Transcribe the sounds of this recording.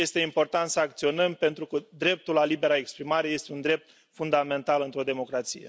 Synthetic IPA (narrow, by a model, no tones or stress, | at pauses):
je̞st̪e̞impo̞rt̪ant̪səak̚t̪sio̞nəmpe̞nt̪ɾukəd̪ɾe̞p̚t̪ulalibe̞ɾaekspɾimaɾe̞je̞st̪e̞und̪ɾe̞p̚t̪ | fund̪ame̞nt̪alɨnt̪ɾo̞d̪e̞mo̞kɾat̪sije